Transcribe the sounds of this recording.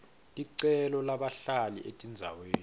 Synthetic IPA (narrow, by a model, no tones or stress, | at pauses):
tʼiǀɛlɔlaɓaɬalḭʔetʼind͡zʱa̰weːni